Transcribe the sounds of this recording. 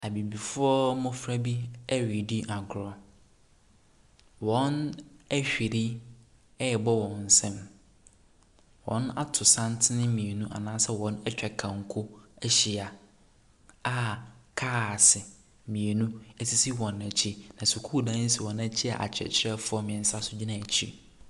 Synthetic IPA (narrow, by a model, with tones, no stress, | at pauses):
a˨bi˨bi˨fʊ˦ɔ˦mʊ̃˦fɾa˦bi˦ɛ˦ɥi˨di˦ʔa˨ɡɾɔ˨ | wɔ̃˨˦næ˦ɕᶣi˨ɾi˦ | ɛ˦ɛ˨bɔ˦wɔ̃˨n̩˨sɛ̃˦m | wɔ̰̃˨˦na̰˦tʰʊ˨sã˦n˦tʰɪ˦nɪ̃˦mĩ˨e˨nũ˦ʔa̰˨nãː˦sɛ˦wɔ̃˨˦nɛ˦t͡ɕᶣɛ˨kʰã˨ŋ˨kʰʊ˦ɛ˦ɕi˨a˨ | a˦kʰaː˦˨sɪ˨ | mĩ˨e˨nũ˦æ˦si˦si˦wɔ̃˨nːæ˨t͡ɕʰi˦nã˨sʊ˨kʰu˦˨dã˦n̩˦si˨wɔ̃˨næ˦t͡ɕʰi˦a̰˨ʔa̰˨t͡ɕʰɛ̰˨t͡ɕʰɪ˦ɛ˦fʊ˨˦ɔ˦mɪ̃˨sa˦sʊ˦d͡ʑi˦nã˨æ˨t͡ɕʰḭ˦˨